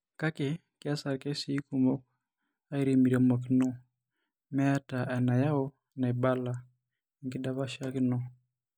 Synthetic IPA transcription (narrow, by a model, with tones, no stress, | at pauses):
ka˦ke˨ | kɪ˦a˦sa˨kɛ˦siː˦ku˨mɔ˦ | a˦i˦ɾi˨mi˨ɾɛ˨mɔ˨k̬ɪ˦nɔ˦ | mɛ˦a˦ta˨ʔɛ˨na˨ja˦ɔ˦ | na˨e˨ba˦la˨ | ŋɡɪ˦da˦βa˦ʃa˦kɪ˦nɔ˦